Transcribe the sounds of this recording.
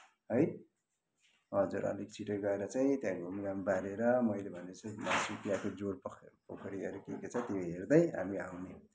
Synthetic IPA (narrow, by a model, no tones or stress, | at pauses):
ɦʌj | ɦʌd͡zuɾʌ̰likt͡sʰiʈʌrɡʌeɾʌt͡saĩt̪jãkbʱuminamibaɾeɾʌmʌjlebʱʌneʌt͡sʌsupjakod͡zoɾpokʰʌɾiʌɾekiket͡sʰʌt̪eeɦerd̪ʌjɦa̰miawne